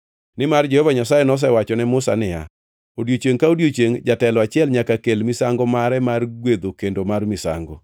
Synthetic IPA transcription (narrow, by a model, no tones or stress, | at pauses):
nɪmard͡ʒehovaɲasajenɔs̬ɛwat͡ʃɔnɛmʊsa̰nɪja̰ | odjot͡ʃeŋkaodjot͡ʃeŋd͡ʒatɛlɔat͡ʃɪɛlɲakakelmɪsaŋɡɔmaɾɛmarɡwed̪okendomarmɪsa̰ŋɡo̰